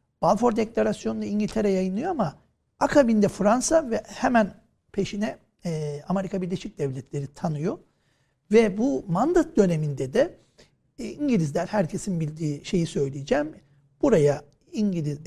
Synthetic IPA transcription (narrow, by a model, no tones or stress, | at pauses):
b̥alfo̞ɾd̪eclʲaɾasjo̞nud̪aiɲɟilʲt̪ʰeɾɛjajɯnlˠɯjoama | akʰabind̪ɛfɾansavɛhɛmæn | pʰe̞ʃinɛ | ame̞ɾikʰabiɾlʲeʃic̚d̪̥ɛvlʲɛt̪lʲe̞ɾit̪ʰanɯjo | vɛbumand̪at̪̚d̪ø̞ne̞mind̪ɛd̪ɛ | iɲɟilʲizlʲæɾʲhæɾcʰe̞sinbilʲd̪iːʃe̞jisø̞jlʲijid͡ʒɛːm | b̥uɾaja | iɲɟilʲiz